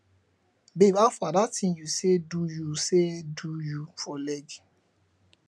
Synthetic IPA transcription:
bebafadatĩjusedujusedujufɔlɛɡi

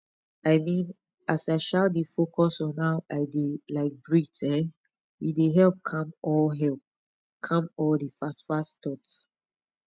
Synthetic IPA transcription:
aɪmĩn | ʔasaɪʃaldefokʰɔsɔ̃naʊʔaɪdelaɪk̚bɹitʰɛ̃n | wideɦɛlp̚kʰãmɔlɦɛlp̚ | kʰãmɔldifastfastʰɔts

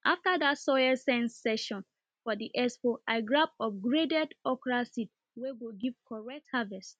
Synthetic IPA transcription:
ʔaftadatsɔjɛsɛ̃nsɛʃɔ̃n | fɔdiʔɛspoʔaɪɡɹap̚ɔfɡɹedɛdɔkɹasit̚ | wewiɡiv̥kʰɔɹɛk̚thavɛst

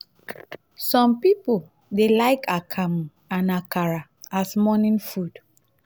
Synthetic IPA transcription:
sɔ̃mpipo | delaɪkʰakʰam | ãnakaɹa | asmɔnĩnfud

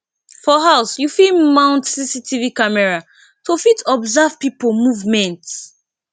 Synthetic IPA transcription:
fɔɦaʊsjufimãʊ̃ntsisitʰivikamɛɹa | tʰofitʰɔbzav̥pipomuvmɛ̃nts

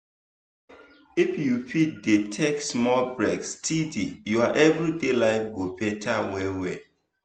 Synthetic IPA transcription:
ifjupit̚detʰɛk̚smɔlbɹɛkstʰidijuaʔɛvɹidelaɪfɡopɛtʰawɛwɛ

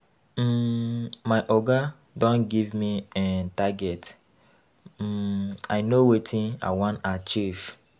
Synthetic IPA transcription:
maɪʔɔɡa | dɔ̃nɡivmiɛtaɡɛt | ajnowetʰĩa̰ɪwɔ̃ntat͡ʃiv

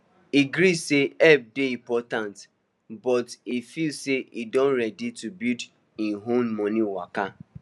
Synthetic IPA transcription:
iɡɾiseɛb̚deimpɔtant | bɔtifilseʔidõn̩ɾɛditubid | iɦommɔniwaka

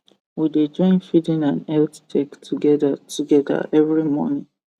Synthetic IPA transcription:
wided͡ʒɔ̃ɪ̃nfidĩnãnɛlttʰɛktʰuɡɛdatʰuɡɛda̰ʔɛvɹimɔ̰nĩŋ

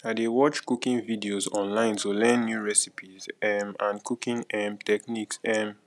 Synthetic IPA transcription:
adewɔt͡ʃkukĩŋvidiozɔ̰̃nlãɪ̃ntolɛ̃nːjuɹɛsipʰizɛmãnkukĩŋɛmtʰɛkniksɛm

